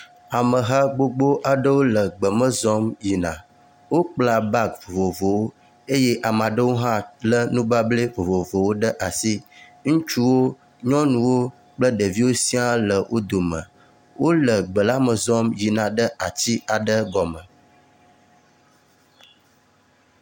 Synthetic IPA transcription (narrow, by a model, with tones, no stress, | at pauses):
a˨mə˨ɦa˦ɡ͡bo˦ɡ͡bo˦ʔa˨ɖə˦wo˦lə˨ɡ͡bə˨mə̃˦zɔ˦mji˨nã̰˨ | wo˦k͡pla˨ba˦kvo˨vo˨vo˨wo˦ | e˦je˦ʔa˨m˨ã˨ɖə˦wo˦ɦã˦lə˦nũ˦ba˦ble˦vo˨vo˨vo˨wo˦ɖə˦ʔa˨si˦ŋũ˦t͡ʃu˦wo˦ | ɲɔ̃˦nũ˦wo˦ | k͡plə˦ɖə˨vi˦wo˦si˦a˦lə˨wʔo˦d̪o˨mə̰̃˨ | wʔo˦lə˨ɡ͡bə˨la˦mə˨zɔ˦mji˨nã˨ɖə˦ʔa˨t͡ɕi˦a˨ɖə˦ɡɔ˨mə˨